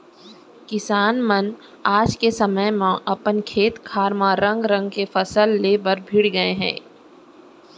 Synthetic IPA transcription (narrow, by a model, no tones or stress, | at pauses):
kɪsaːnmən | aːd͡ʒkesɐməjmãʔɐpənkʰeːt̪kʰaːɾmãɾɐ̃ŋɡɾɐ̃ŋɡ̚kefɐsəlːeːbəɾbʱɪɽɡɐeɦɛ̰̃ː